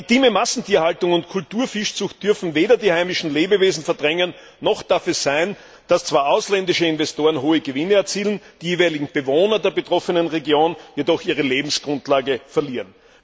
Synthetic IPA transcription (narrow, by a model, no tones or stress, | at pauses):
itiːməmasn̩tʰiːɐhaltʊŋʊntkʰʊltuːɐfɪʃt͡sʊxt̚d̥ʏɐfn̩veːdɐdiːhaɪmɪʃn̩leːbəveːzn̩fɛɐdʁɛŋənː | ɔχd̥aɐfɛsz̥æɪn | d̥ast͡sv̥aːɐʔaʊslɛndɪʃəɪnvɛstoːɐʁənɦoːəɡəvɪnəɛɐt͡siːlənd̥iːjeːvɛɪlɪɡŋ̩b̥əvoːnɐdeːɐbətʁ̥ɔfənənʁeɡjoːnjedɔxiːʁəleːbm̩sɡ̥ʁʊntlaːɡəfɛɐliːʁən